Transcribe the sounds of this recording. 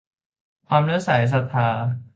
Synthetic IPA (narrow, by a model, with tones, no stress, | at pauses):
kʰwaː˧mɾɯ˦˥˨saː˨˩˦js̬a˧˩t̪ʰːaː˧